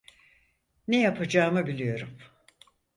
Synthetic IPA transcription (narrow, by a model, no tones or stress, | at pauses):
nejapʰad͡ʒaːmɯbilʲijo̞ɾum